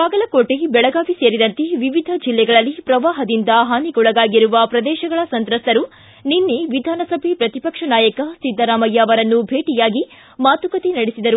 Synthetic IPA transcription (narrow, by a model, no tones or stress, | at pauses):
baːɡɐlɐkoːʈebɛɭɐɡaːʋiseːɾid̪ɐnt̪eʋiʋid̪ʱɐd͡ʒilːɛɡɐɭɐlːipɾɐʋaːɦɐd̪ind̪ɐɦaːniɡɔɭɐɡaːɡiɾuʋɐpɾɐd̪ɛːʃɐɡɐɭɐsɐnt̪ɾɐsɐɾu | ninːeʋid̪ʱaːnɐsɐbʱepɾɐt̪ipɐkʂɐnaːjɐkɐsid̪ʱːɐɾaːmɐjːaːʋɐɾɐnːubʱeːʈijaːɡi | maːt̪ukɐt̪inɐɽesid̪ɐɾu